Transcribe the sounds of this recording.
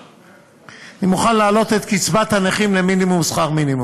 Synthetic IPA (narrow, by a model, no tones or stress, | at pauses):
animuχanlaːlo̞t̪e̞t̪kit͡svat̪haneχimleminimumsχaʁminimu